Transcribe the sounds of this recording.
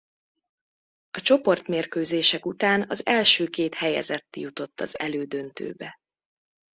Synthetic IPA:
ɒt͡ʃo̞po̞rt̪meːrkøːzeːʃɛkut̪aːnɒzɛlʃøːkeːt̪hɛjɛ̰zɛt̪ːjut̪o̞t̪ːɒ̰zɛløːd̪ønt̪ø̰ːbɛ

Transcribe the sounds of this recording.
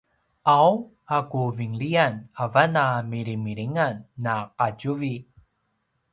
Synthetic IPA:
aw | akuviŋɭianavanamiɾimiɾiŋanːaqaɟuvi

